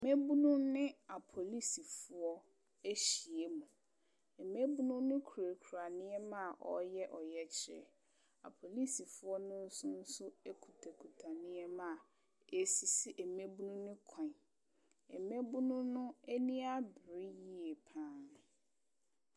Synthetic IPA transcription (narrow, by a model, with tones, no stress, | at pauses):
me˦bu˦nũ˦nɪ̃˦a˨pʰo˨li˦si˨fʊ˦ɔ˦ | e˦ɕi˨e˦mũ˨ | ɛ˨me˦bu˦nũ˦nʊ̃˦kʰu˨ɾe˨kʰu˨ɾa˨nɪ̃˦ɛ˦mã˦˨ʔɔ̰˨jɛ˦ʔɔ˨jɛ˦t͡ɕʰɪ˦ɾɛ̰˨ | a̰˨pʰo˨li˦si˨fʊ˦ɔ˦nʊ̃˦n̩˦sʊ̃˦n̩˦sʊ˦e˦kʰu˨tʰe˨kʰu˨tʰa˨nɪ̃˦ɛ˦mã˦˨ | e˨si˨si˦ʔɛ˨me˦bu˦nũ˦nʊ̃˦kʰã˨ | ɛ˨me˦bu˦nũ˦nʊ̃˦e˦nĩ˦a˦bɪ˨ɾɪ˦ji˦e˨pʰãː˦n